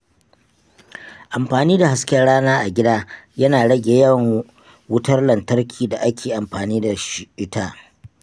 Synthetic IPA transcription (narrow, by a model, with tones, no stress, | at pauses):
ʔa˨mɸaː˨niː˦da˨ha˦skʲɛ˦nɽaː˦naː˦ʔa˨ɡʲɪ˦daː˦jɐ˦naː˨ɽɐ˦ɡʲe˨jɐ˦ŋ | wʊ˦tɐ˦rlɐ˨ntɐ˦rkʲʰiː˨da˨ʔa˦kʲeː˨ʔa˨mɸaː˨niː˦da˨ʃɪ˨ʔɪ˦taː˦